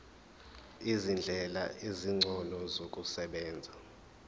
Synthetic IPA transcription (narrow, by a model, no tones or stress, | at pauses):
izind͡ɮʱɛlaʔiziŋ͡ǀʱɔlɔzokʼusɛɓɛːnd͡zʱa